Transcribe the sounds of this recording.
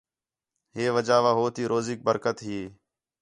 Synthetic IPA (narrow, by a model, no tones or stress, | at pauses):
ɦeːʋəd͡ʒaːʋaːɦoːt̪iːɾʔoːziːk̚bəɾkət̪ɦiː